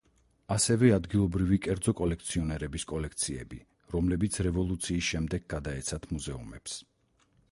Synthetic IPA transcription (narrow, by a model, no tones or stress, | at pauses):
asɛvɛad̪ɡilˠɔbɾivikʼɛɾd̪zɔkʼɔlɛkʰt̪sʰiɔnɛɾɛbiskʼɔlɛk̚ʰt̪sʰiɛ̰bi | ɾɔmlɛbit̪sʰɾɛvɔlˠut̪sʰiːsʃɛmd̪ɛɡ̚ɡad̪aɛt̪sʰat̪ʰmuzɛṵmɛps